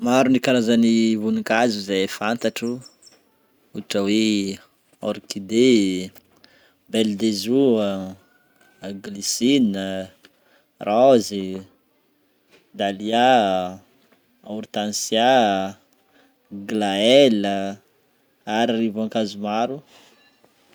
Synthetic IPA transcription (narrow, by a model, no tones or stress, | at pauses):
maɾunikaɾazanivunikazuzefant̪aʈ͡ʂu | uʈ͡ʂawe | ɔɾkid̪e | beld̪ezu | aɡlisinə | razi | d̪alia | auɾt̪ansja | ɡlaɛlə | aɾirivaŋkazumaɾu